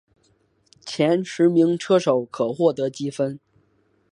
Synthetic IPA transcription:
t͡ɕʰjɛ˧˥nʂɻ̩˧˥mi˧˥ŋʈ͡ʂʰɤ˥ʂo˨˩˦ʊkʰɤ˨˩xwɔ˥˩t̪ɤ˧˥t͡ɕi˥fə˥n

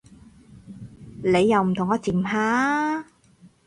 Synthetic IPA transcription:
le˨˧jːɐ˨˧wm̩˨˩t̪ʰʊ˨˩ŋɔː˨˧˥t͡siː˨˩mɦaː˨˧

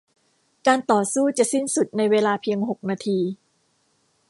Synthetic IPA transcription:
kaː˧nt̪ɔː˨˩suː˥˩t͡ɕa˨˩ʔsi˥˩nsu˨˩t̪̚na˧jweː˧laː˧pʰi˧əŋɦo˨˩k̚naː˧t̪ʰiː˧

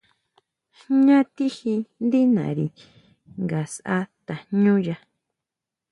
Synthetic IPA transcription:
ɲã˦t̪i˦hi˧nd̪i˦nã̰˨ɾi˨ | ŋɡa˨sʔa˦t̪a˨ɲũ˦ja˧

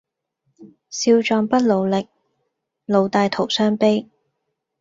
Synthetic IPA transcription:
siː˧wt͡ʃɔː˧ŋpɐ˥t̚lo˨˧wlɪ˨k̚ | lo˨˧wt̪aː˧jt̪ʰo˨˩wsœː˥ŋpe˥j

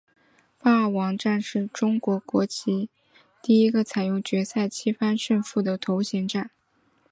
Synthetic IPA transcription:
pa˥ə˥˩wɑ˧˥ŋʈ͡ʂa˥˧nʂɻ̩˥˩ʈ͡ʂʊ˥ŋkwɔ˧˥kwɔ˧˥t͡ɕʰi˧˥ | t̪i˥˩i˥ɡə˧t͡sʰa˨˩ɪjʊ˥˩ŋt͡ɕɥɛ˧˥sa˥˩ɪt͡ɕʰi˥fa˥nʂə˥˧nfu˥˩d̪ə˩t̪ʰo˧˥ʊɕɛ˧˥ŋʈ͡ʂa˥˩n

